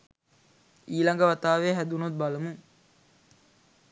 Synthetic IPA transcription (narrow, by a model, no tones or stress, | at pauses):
iːlɐŋɡəʋat̪aːʋeːɦæd̪unot̪̚balɐmuŋ